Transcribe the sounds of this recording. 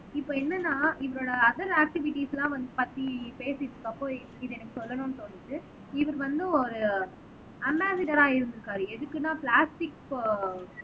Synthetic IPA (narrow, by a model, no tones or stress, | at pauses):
ɪpːoːɛnːɐnːaːɪʋɐɾoːɽɐːðɐɾaːk̚ʈɪʋɪʈːiːslãːʋɐnd̪ɯpɐt̪ːipeːsɪʈːɯkːɐpːõː | ɪðɛnɐkːɯsɔlːɐnʊ̃nɯt̪ɔnːɪʈːɯ | ɪʋɐɾɯʋɐnd̪ɯɔɾɯ | ɐmbaːsɪʈɐɾaːɪɾɯnd̪ɯɾɯkːaːɾɯɛðɯkːɯnːaːplaːsʈɪk